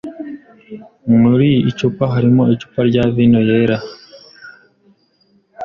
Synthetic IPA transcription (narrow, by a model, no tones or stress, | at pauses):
ŋŋuɾiːt͡ʃupaɦaɾimoit͡ʃu̥paɾɟaβinojeɾa